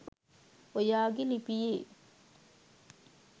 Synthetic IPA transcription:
ojaːɡelipijeː

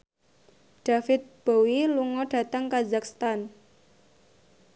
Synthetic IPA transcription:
ɖ̥afɪt̪̚b̥owiluŋɔɖ̥ä̤t̪əŋkazak̚st̪an

